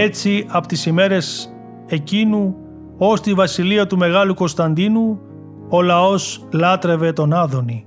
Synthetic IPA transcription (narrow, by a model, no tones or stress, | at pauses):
e̞t͡siɐpot̪isime̞ɾe̞s | e̞cinu | o̞st̪ivɐsiliɐt̪ume̞ɣɐluko̞nst̪ɐnd̪inu | o̞lɐo̞slɐt̪ɾe̞ve̞t̪o̞nɐðo̞ni